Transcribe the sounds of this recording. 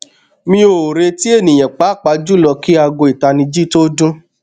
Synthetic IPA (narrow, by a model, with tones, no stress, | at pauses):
mĩ˧˦o˨ɾe˧ti˦e˦˨nĩ˨j̃ɛ̃˨k͡pa˨˦˨k͡pa˧˦d͡ʒu˦lɔ˧ki˦a˧ɡo˧i˨ta˧nĩ˧d͡ʒi˦to˦dũ˦